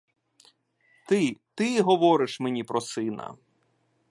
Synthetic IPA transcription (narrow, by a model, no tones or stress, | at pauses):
t̪ɪt̪ɪɦɔʋɔɾɪʃmenʲipɾɔsɪnɐ̰